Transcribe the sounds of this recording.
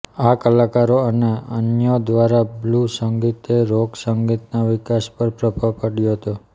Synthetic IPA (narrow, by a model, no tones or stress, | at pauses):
akəlakaɾoəneə̰njod̪ʋaɾablusəŋɡit̪eɾoɡsəŋɡit̪naʋɪkaspəɾpɾəpəpaɽjoɦət̪o